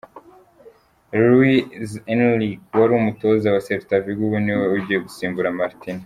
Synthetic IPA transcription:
ɾuizenlikwaɾuumuto̞zawaseβtaviɡuβuniweuɾɟijeɡusiːmbuɾamaɾtina

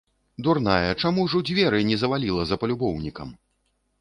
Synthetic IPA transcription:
d̪urnajɐt͡ʂamuwʐɔd͡zʲvʲɛɾɨnʲɛzɐvalʲilˠɐzɐpɐlʲubɔwnʲikɐm

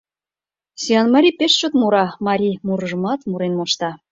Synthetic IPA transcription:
sʲiɑnmɑɾʲipeʃt͡ɕot̪muɾɑmɑɾʲimuɾʒə̆mɑt̪muɾenmɑʃt̪ɑ

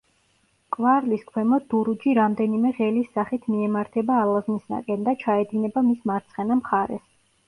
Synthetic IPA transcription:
kʼvaɾliskʰwɛmɔd̪̚d̪uɾud͡ʒiɾamd̪ɛnimɛʁɛlisːaχit̪ʰmiɛmaɾt̪ʰɛbaːlaznisa̰kʼɛnd̪at͡ʃʰaɛd̪inɛbamismaɾt̪sʰχɛnamχaɾɛ̰s

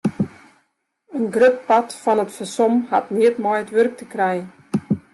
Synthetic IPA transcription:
ənɡrøp̚patfɔnətfəsɔmhatniətmɔjətʋørk̚təkrɛjə

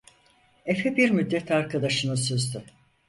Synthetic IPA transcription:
efebiɾmyd̪ːɛt̪ʰaɾkʰad̪aʃɯnɯsøzd̪y

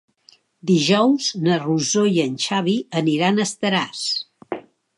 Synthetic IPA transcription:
d̪iʒɔwznəruzojənʲʃaβiəniɾanəst̪əɾas

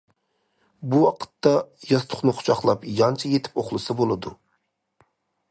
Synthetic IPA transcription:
buɑqʰə̥t̪ːɑjɑst̪ʰʊ̥χnɨχʰʊ̥t͡ʃʰɑχlˠɑpjɑnt͡ʃʰɑjet̪ʰɪ̥poχlˠɨsɨbolˠɨd̪u

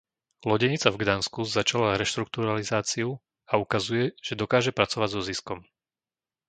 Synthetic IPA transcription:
lɔɟɛɲit͡savɡd̪anskuzat͡ʃalaɾɛʃt̪ɾuk̚t̪uɾalizaːt͡siu | aukazujɛʒ̥ɛd̪ɔkaːʒɛpɾat͡sɔʋaɟzɔziskɔm

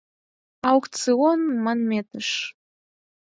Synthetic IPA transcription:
awkt̪t͡sɨonmanmʲet̪əʂ

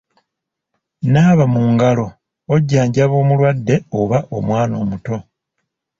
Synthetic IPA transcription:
naːβamuːŋɡalo̞ | oɟːaːɲɟaβo̞ːmulwadːe̞oβaʔo̞̰mwaːno̞̰ːmuto̞

